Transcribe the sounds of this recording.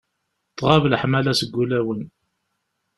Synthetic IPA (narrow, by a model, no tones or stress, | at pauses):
t̪ˤːʁɑvləħmælæsəɡːulæwən